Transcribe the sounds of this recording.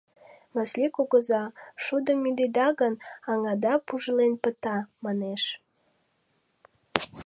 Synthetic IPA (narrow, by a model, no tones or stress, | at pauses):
məslʲikoɣə̆zɑʃud̪əmyd̪ed̪ɑɣənɑŋɑd̪ɑpuʒəlenpə̆t̪ɑmɑneʃ